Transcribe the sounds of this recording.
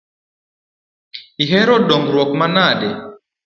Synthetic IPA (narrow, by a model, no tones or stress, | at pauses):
iɦɛɾɔɗɔŋɡɾwɔk̚manaɗɛ